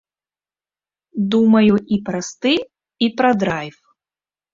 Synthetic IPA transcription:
d̪umɐjuʔipɾɐst̪ɨ | ipɾɐd̪ɾajf

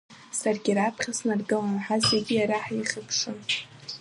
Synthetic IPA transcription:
sarɡʲiɾapʰχʲasnarɡɨlanħazeɡʲijaɾaħaiχʲəpʰʂɨ

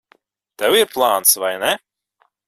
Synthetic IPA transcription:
t̪ɛwiɾplˠaːnt̪svajnɛ

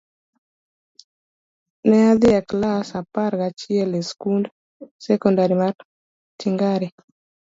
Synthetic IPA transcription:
nɛad̪ɪaklasapaɾɡat͡ʃiɛleskund | sɛkɔndaɾimar | tiŋɡaɾi

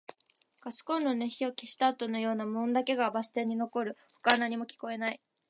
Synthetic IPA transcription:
ɡ̥asɨ̥kõ̞nːoneçiokʲiɕi̥t̪aːt̪o̞no̞jo̞ːnamõ̞nd̪ake̞ɡabasɨ̥t̪ẽ̞ɲ̟ːino̞ko̞ɾɯ̟ɸɯ̥kanaɲ̟imo̞kʲi̥ko̞e̞nai

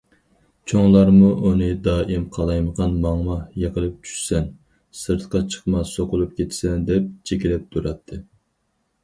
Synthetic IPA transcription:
t͡ʃʰoŋlˠɑɾmuʔunɨd̪ɑːʔimqʰɑlˠɑjməʁɑnmɑŋmɑjeqəlˠɨp̚t͡ʃʰy̥ʃsɛn | sɨɾt̪ʰqɑt͡ʃʰə̥qmɑsoqʊlˠup̚kʲʰet̪ʰsɛnd̪ɛp̚t͡ʃʰekʲilɛp̚t̪ʰuɾɑt̪ʰːɨ

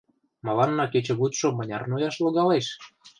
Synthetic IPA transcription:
mɑlɑnːɑket͡ɕĕβut̪ʃŏmɤ̆nʲɑrnojɑʃlɤ̆ɣɑleʃ

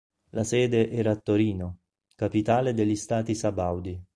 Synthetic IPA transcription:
lasɛːd̪eʔɛːɾaːt̪ːoɾiːno | kapit̪aːled̪eʎːist̪aːt̪isabawd̪i

